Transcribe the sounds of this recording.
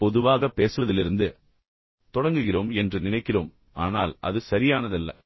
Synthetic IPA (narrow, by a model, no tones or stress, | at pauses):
pɔðɯʋaːɣɐpːeːsɯʋɐðɪlɪɾɯnd̪ɯ | t̪ɔɽɐŋɡɯɣɪroːmɛndrɯnɪnɐɪkːɪroːm | a̰ːnaːlɐ̰ðɯsɐɾɪjaːnɐðɐlːɐ̰